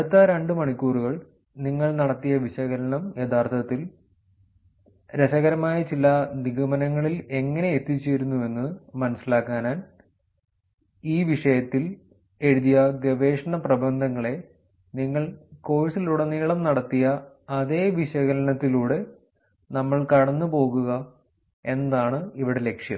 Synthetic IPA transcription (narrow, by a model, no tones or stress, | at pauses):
ɐɽut̪ːɐɾe̞ɳɖɨmɐɳikʲːuːruɣɐɭ | niŋːɐɭnɐɽɐt̪ːijɐʋiɕɐɣɐɾɐɳɐmjed̪aːrt̪ʰɐt̪ːil | ɾeɕɐɣɐɾɐmaːjɐt͡ɕilɐniɣɐmɐnɐŋːɐɭile̞ŋːɐne̞et̪ːit͡ɕːeːɾunːue̞nːɨmɐnɐsilaːkːaːnaːn | iːʋiʂɐjɐt̪ːil | e̞ɻuðijɐɡeʋe̞ːʂɐɳɐprɐbʱɐnd̪ʱɐŋːɐɭe̞ | niŋːɐɭko̞ːɻisiluːɽeniːɭɐmnɐɽɐt̪ːijɐː | ðe̞ːʋiɕɐɣɐɾɐnɐt̪ːiluːɽe̞ | nɐmːɐɭkɐɽɐnːɨpo̞ːɣuɣɐ | e̞nɐd̪aːɳɨiʋiɽe̞le̞kʂjɐ̰m